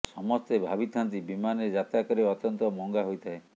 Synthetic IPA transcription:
sɔmɔst̪ebʱabit̪ʰant̪ibimaned͡ʒat̪akɔɾeɔt̪jɔnt̪ɔmɔŋɡaɦojt̪ʰae

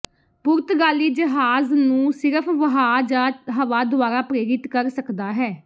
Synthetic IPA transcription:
pʊɾt̪ʰɡaːliːd͡ʒəɦaːznũːsɪɾəpʰʋəɦaːd͡ʒaːɦəʋaːd̪ʊaːɾaːpɾeːɾɪt̪kəɾsəkd̪aːɦɛː

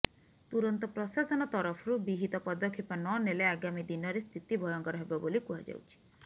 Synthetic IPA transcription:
t̪uɾɔnt̪ɔpɾɔsasɔnɔt̪ɔɾɔpʰɔɾubiɦit̪ɔpɔd̪ɔkʰːipɔnɔneleaɡamid̪inɔɾest̪ʰit̪ibʱɔjɔŋkɔɾɔɦebɔbolikuɦa̰d͡ʒa̰wt͡ʃʰi̥

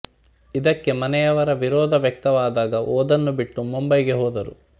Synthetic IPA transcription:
id̪ɐkːe̞mɐnɛjɐʋɐɾɐʋiɾɔːd̪ʱɐʋjɐk̚t̪ɐʋaːd̪aːɡɐʔoːd̪ɐnːubiʈːumumbɐjɡe̞ɦɔːd̪ɐɾṵ

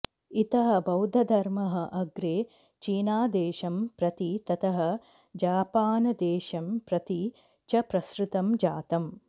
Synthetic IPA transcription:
it̪ɐɦɐ̆bɐwd̪ʱɐd̪ʱɐɾmɐɦɐ̆ʔɐɡɾeː | t͡ʃiːnaːd̪eːʃɐmpɾɐt̪it̪ɐt̪ɐɦɐ̆ | d͡ʒaːpaːnɐd̪eːʃɐmpɾɐt̪i | t͡ʃɐpɾɐsɾɪt̪ɐmd͡ʒaːt̪ɐm

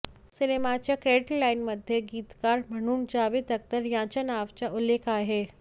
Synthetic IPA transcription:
sɪnemat͡ɕakɾeːʈlaːɪnmɐd̪ʱjeɡiːt̪kaːɾmʱɐɳ̃uːnd͡ʑaːʋɪːd̪ɐk̚t̪əɾjãːt͡ɕanaːʋt͡ɕaʔʊleːkʰaːɦeː

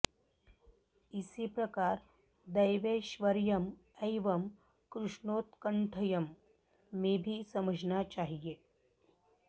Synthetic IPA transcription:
isiːpɾɐkaːɾ | d̪ɐjʋeʃʋəɾjɐm | ejʋɐm | kɾuʂɳoːt̪kəɳʈʰəjɐmː | eːbʱisɐməd͡ʒʱnat͡ʃaɦijeː

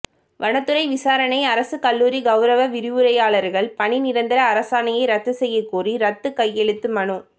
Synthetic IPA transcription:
ʋɐɳɐt̪ːɯɾɐɪʋɪsaːɾɐnɐɪɐɾɐsɯkɐlːuːɾiɡɐʊɾɐʋɐʋɪɾɪʋɯɾɐjaːɭɐɾɣɐɭpɐɳinɪɾɐnd̪ɪɾɐːɾɐsaːnɐjɐɪɾɐt̪ːɯsɛjːɐkːuːriɾɐt̪ːɯkɐjːɛɭɯt̪ːɯmɐɳɯ

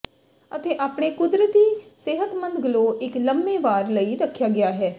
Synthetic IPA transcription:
ət̪eːʔaːpɳ̃eːkʊd̪ɾət̪iːsɪɦət̪mə̃nd̪ɡəloːɪkləmbeːʋaːɾləiːɾəkʰːjaːɡɪjaːɦɛː

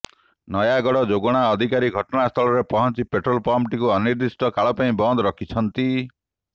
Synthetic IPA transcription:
nɔjaɡɔɽɔd͡ʒoɡɔɽ̃aɔd̪ʱikaɾiɡʱɔʈɔnast̪ʰɔɭɔɾepɔɦɔnt͡ʃipeʈɾɔlpɔmʈikuɔniɾd̪isʈɔkaɭɔpaĩbɔnd̪ɔɾɔkʰit͡ʃʰɔnt̪i

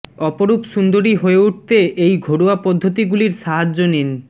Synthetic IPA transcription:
ɔpoɾupʃund̪oɾiɦoeuʈ̚ʰt̪eʔejɡʱoɽoapɔd̪ʱːot̪iɡuliɾʃaɦad͡ʑːonen

